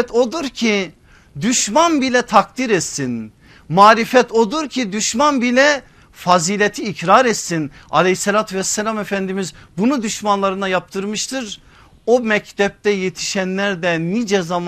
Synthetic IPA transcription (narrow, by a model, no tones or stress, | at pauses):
t̪ʰo̞d̪uɾcʰi | d̪yʃmanbilʲɛt̪ʰakd̪iɾɛt̪sin | maːɾifɛt̪ʰo̞d̪uɾcʰid̪yʃmanbilʲɛ | faziːlʲet̪ʰiːcɾaɾɛt̪sina̰lʲehiselʲaːt̪ʰyvɛsːɛlʲamɛfænd̪imizbunud̪yʃmanlˠaɾɯnajap̚t̪ʰɯɾmɯʃt̪ʰɯɾ | omɛct̪ʰɛp̚t̪ɛjet̪ʰi̥ʃænlʲæɾd̪ɛnid͡ʒɛzam